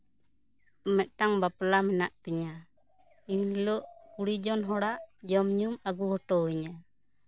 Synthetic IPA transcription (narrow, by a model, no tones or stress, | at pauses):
ɔmɛt̪̚ˀtaŋbaplamɛnaʔt̪ɛɲa | inlɔʔkuɽid͡ʒɔnɦɔɽaʔd͡ʒɔmɲumaɡuhɔʈɔiɲa